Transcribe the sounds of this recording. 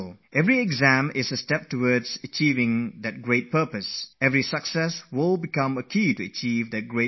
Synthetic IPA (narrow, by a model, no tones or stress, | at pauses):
lˠʔɛvɹiɛɡzæ̃mɪsəstɛp̚təwɔdzət͡ʃiːvɪ̃ŋd̪ɨt̚ɡɹet̚pʰəpəsɛvɹisəksɛswɪlˠbikʌ̃məkʰiːtuət͡ʃiːvd̪ɨt̚ɡɹe